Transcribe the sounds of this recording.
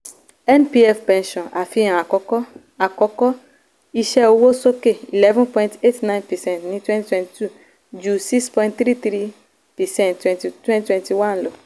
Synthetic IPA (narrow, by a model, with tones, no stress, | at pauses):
ɛ˦npi˦ɛ˦fpɛ̃˨nʃɔ̃˨na˨fĩ˦ã˨a˨kɔ˦kɔ˦ | a˨kɔ˦kɔ˦ | i˧ʃɛ˦o˦wo˦so˦ke˦˨ḭ˨lɛ˦vɛ̃˦npɔ̃˦ĩnte˦tnã˦j̃npɛ˨sɛ̃˦˨ntnĩ˨˦twɛ̃˦nti˦twɛ̃˦nti˨tu˦˨ | d͡ʒu˨si˦kspɔ̃˦ĩntθɾi˦t̪ɾi˦ | pɛ˨sɛ̃˦˨nttːwɛ̃˨nti˨twɛ̃˦ntwɛ̃˦nti˨wã˦nlo˨